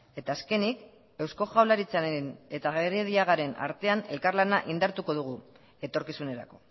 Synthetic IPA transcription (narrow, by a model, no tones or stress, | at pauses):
e̞t̪aːske̞nik | e̞wsko̞ʝawlaɾit͡saɾene̞t̪aɣeriðiaɣaɾe̞na̰ɾt̪e̞ane̞̰lkarlanaʔind̪aɾt̪uko̞ð̞uɣ̞u | e̞t̪o̞ɾkisune̞ɾa̰ko̞̥